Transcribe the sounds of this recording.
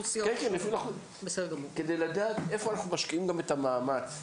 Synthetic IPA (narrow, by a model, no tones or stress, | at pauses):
sikenkenefinaχu | besedɡɐmuked̪ejladaːt̪e̞foanaχnumaʃkiimɡamet̪amaːmat͡s